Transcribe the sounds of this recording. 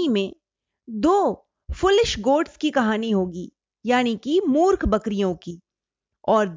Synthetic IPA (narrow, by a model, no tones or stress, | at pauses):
imẽ | d̪oː | fʊlɪʃɡoːɖskikɐɦaːniɦoːɡiː | jaːnikimuːɾkʰbɐkɾijõki | ɔːɾd̪